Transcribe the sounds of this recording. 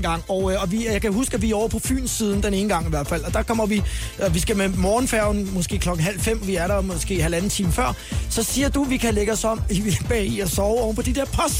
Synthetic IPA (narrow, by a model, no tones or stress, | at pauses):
ɡ̥ɑ̈ŋ̰ɒʊɒ̽ʋijɑ̈ɪkʰæɦusɡ̥æʋiɒʊ̰ɐpʰɒ̽fy̰ːnsiːð̞ˠn̩d̥ene̝ːn̩ɡ̥ɑ̈ŋiʋæɐd̥fæl̰ɒ̽d̥ɑ̈kʰɒ̽m̰ɐʋi | ʋisɡ̥æmemɒːn̩fæɐʊn̩mɔ̽sɡ̥e̝̰ːkʰlɒ̽ɡ̥n̩ɦæl̰fem̰ʋiæɐɾɑmosɡ̥e̝̰ːɦælænn̩ˠt͡sʰiːməfɶɐ̰sɒ̽siːɐd̥uʋikʰæleɡ̥əɒsɒ̽m̰iʋlb̥ɛ̰ːiɒsɒʊɒʊnfɒ̽d̥id̥eɐ̰pʰɒ̽s